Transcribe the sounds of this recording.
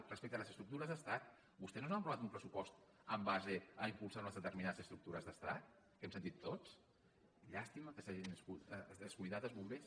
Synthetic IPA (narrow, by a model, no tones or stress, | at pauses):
rəspek̚t̪ələzəst̪ɾukt̪uɾəzðəst̪at̪̚ | bust̪ɛsnonsampɾuβat̪umpɾəsupɔst̪ | əmbazeəimpulˠsaɾunəzðət̪əɾrminaðəzəst̪ɾuk̚t̪uɾəzðəst̪a̰t̪̚ | kɛmsənt̪it̪ʰːot͡s | ʎast̪iməkəsaʒinsuəskujðaðəzβumbes